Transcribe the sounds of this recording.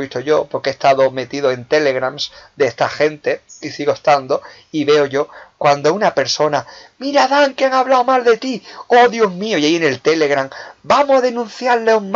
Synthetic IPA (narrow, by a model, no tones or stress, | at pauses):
βist̪oʝo̞poɾkest̪aðo̞me̞t̪iðoe̞nt̪e̞le̞ɣɾamsd̪eest̪axe̞nt̪e̞isiɣoest̪and̪o̞ | iβe̞o̞ʝo̞kwand̪o̞unape̞ɾso̞namiɾaðaŋkeaŋaβlaomald̪e̞t̪ioðjoɦmioiaiene̞lt̪e̞le̞ɣɾaŋbamosaðe̞nũn̟θjaɾleuŋm